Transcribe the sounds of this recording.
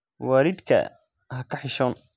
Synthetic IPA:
waːɾɪd̪kʰɐ̰ | ɦɐkʰɐħɪʃɔːn

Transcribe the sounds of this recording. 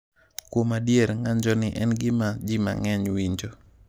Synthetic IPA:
kwomadjeɾŋaɲd͡ʒɔnɪʔɛnɡɪmad͡ʒima̰ŋɛɲwiɲd͡ʒo

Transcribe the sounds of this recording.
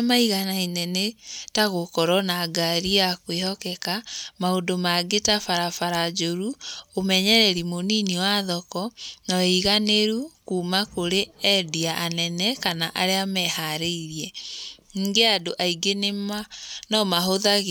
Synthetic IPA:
maiɣanainɛnetaɣokɔɾɔnaɡaɾiakwehɔkɛkamaodomaɡetafaɾafaɾad͡ʒoɾuomɛɲɛɾɛɾimoniniwaðɔkɔnɔiɣaneɾukuːmakoɾeɛdiaʔanɛnɛkanaʔaɾeamɛhaɾeiɾiɛ | ŋiːŋɡeadoʔaiɡenemanɔmaɦoðaɣ

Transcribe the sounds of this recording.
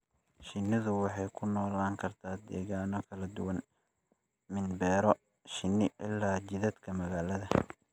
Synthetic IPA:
ʃɪnɪðʊwɑħɑjkʰʊnɔːlaːŋkʰɐrt̪ʰaːd̪ɛːɣaːnɔkʰɐlɐd̪ʊwɐn | mɪnbɛːɾɔ | ʃɪnɪʔɪ̰lːaːt͡ʃɪðɐd̪kʰɐmɐɣaːlɐðɐ

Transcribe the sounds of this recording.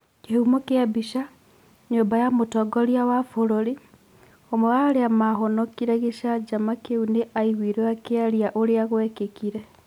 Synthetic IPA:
kehumɔkeabiʃa | ɲoːmbajamotɔɡɔɾiawafoɾoɾi | omɔwaːɾeamaɦɔnɔkiɾɛɣeʃad͡ʒamakeuneʔaiɣwiɾeakeaɾiaʔoɾeaɣowɛkekiɾɛ

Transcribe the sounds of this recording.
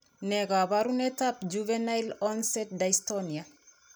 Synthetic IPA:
neɡaβaɾunetap̚d͡ʒuvenajlɔnsɛt̚dajstɔnia

